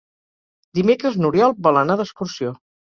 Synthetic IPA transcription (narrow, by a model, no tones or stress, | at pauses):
d̪imekɾəznuɾjɔlˠbɔlˠənaðəskuɾsio